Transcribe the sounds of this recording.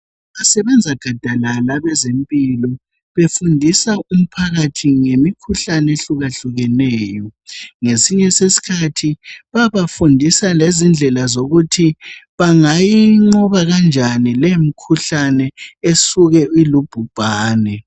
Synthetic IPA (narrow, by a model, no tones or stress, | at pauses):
βasɛβɛnd͡zʱaɡ̥ʱad̥ʱalalaβɛzempʼilɔ | βefundʱisaum̩pʰaɣatʰiŋemikʰuɬanɛeɬuɣaɬuɣɛnɛːjɔŋesiɲɛsesi̥kʰatʰiβaβafundʱisalezind͡ɮʱɛlazoɣutʰiβaŋajiŋ͡ǃɔβaɣand͡ʒʱanilemikʰuɬanɛesuɣɛilub̥ʱub̥ʱaːnɛ